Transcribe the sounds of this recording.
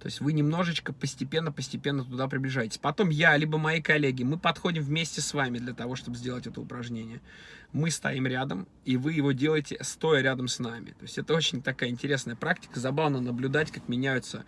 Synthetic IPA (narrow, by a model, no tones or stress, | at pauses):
t̪o̞ɪsʲtʲvɨnʲɪmno̞ʐɨt͡ɕkəpəsʲtʲɪpʲe̞nːəpəsʲtʲɪpʲe̞nːət̪ʊd̪apɾʲɪblʲɪʐajɪtʲɪ̥sʲpɐt̪o̞mjalʲibəmɐikɐlʲːeɡʲɪmɨpɐt̪xo̞dʲɪmvmʲesʲtʲɪsvamʲɪd̪lʲɐt̪ɐvo̞ʂt̪o̞bɨzʲdʲe̞lˠətʲɛt̪əʊ̰pɾɐʐnʲenʲɪjə | mɨst̪ɐ̰imɾʲad̪əm | ivɨjɪvo̞dʲe̞lˠəjtʲɪst̪o̞jəɾʲad̪əmsnamʲɪ̰t̪o̞ɪsʲɛt̪əo̞t͡ɕɪnʲt̪ɐkajəɪnʲtʲɪɾʲe̞snəjəpɾaktʲɪ̥kəzɐbavnənəblʲʊd̪atʲkakmʲɪnʲæjʊt̪sə